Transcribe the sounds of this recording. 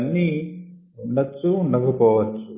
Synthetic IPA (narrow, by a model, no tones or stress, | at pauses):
nːi | nɐt͡ʃːunɐɡupɔːʋɐt͡ʃːu